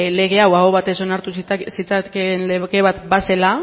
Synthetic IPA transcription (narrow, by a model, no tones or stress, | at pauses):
le̞ɣ̞e̞awaɣoβat̪e̞so̞naɾt̪usit͡sakenleɣe̞β̞at̪basela